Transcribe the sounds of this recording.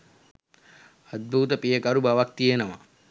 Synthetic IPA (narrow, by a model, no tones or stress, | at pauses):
ɐd̪̚bʱuːt̪əpijəkaɾubaʋak̚t̪ijenəʋa